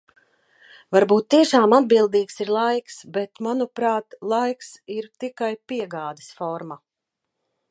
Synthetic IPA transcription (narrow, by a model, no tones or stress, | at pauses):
vaɾbuːt̪̚ːiɛʃaːmad̪̚bilˠd̪iːksiɾlˠajksbɛt̪manupɾaːt̪lˠajksiɾt̪ikajpiɛɡaːd̪ɛ̥sfɔɾma